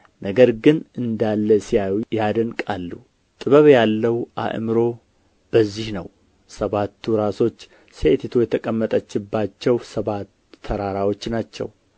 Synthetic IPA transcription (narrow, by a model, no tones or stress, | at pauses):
nəɡəɾɡɨnɨnd̪alːəsijajad̪əŋkʼalːu | t̪ʼɨβəβjalːəwʔa̰ʔmɨɾo̞ | b̥əzːihnə̰w | səβat̪ʰːuɾaso̞t͡ʃː | set̪ʰet̪ʰojɛt̪ʰəkʼəmːət̪ʼət͡ʃːɪbːat͡ʃːɛwsəβat̪ʰːəɾaɾawo̞t͡ʃːnat͡ʃːɛ̰w